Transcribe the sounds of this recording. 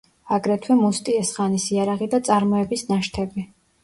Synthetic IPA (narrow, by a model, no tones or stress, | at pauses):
aɡɾɛt̪ʰwɛmust̪ʼiɛsχanisiaɾaʁid̪at̪sʼaɾmɔɛbisnaʃt̪ʰɛbi